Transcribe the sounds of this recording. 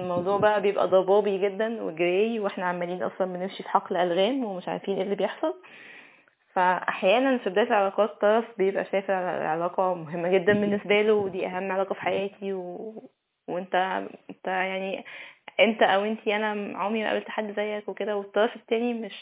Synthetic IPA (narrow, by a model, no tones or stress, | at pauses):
lmɑwd̪ˤuːʕbæʔæbejebʔæ̰d̪ˤɑbɑːbiɡed̪ːænwḛɡeɾæjiweħnæʕamːæliːnʔɑ̰sˤlɑlbenemʃifi̥ħɑqːlʔælɣæːmwemeʃʕa̰ɾfiːnʔelːibejeħsˤɑl | fæʔa̰ħjæːnænfibed̪æːt̪elʕelæːqɑːt̪ːɑɾˤɑsbejebʔæ̰ʃæːfelʕlæ̰ʕelæːqɑmoɦemːæɡed̪ːænbenːesbælowed̪iːʔæɦæmːʕelɑːqɑfi̥ħajæːt̪ʰiwe | wʔent̪æent̪æjaʕniʔent̪æʔæwʔent̪iʔænæʕomimæʔæ̰belt̪aħad̪ːzæjːækweked̪æwet̪ːɑɾˤɑfet̪ːæːnimeʃ